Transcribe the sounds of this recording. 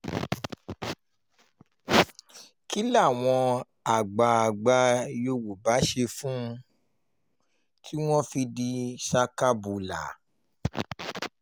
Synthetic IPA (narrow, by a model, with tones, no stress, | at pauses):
ki˦la˦˨w̃ɔ̃˧ | a˨ɡ͡ba˨a˨ɡ͡ba˧jo˧wo˨ba˨˦ʃe˧fũ˦˧ | tʰi˦w̃ɔ̃˦fi˧di˧ʃa˧ka˦bu˨la̰˨˦